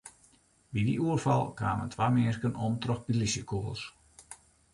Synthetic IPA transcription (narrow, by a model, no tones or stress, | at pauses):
bidiuərfɑlˠkʰaːmə̰ntʰʋamɪːrkənɔmtrɔxbilisjəkʰoəlˠs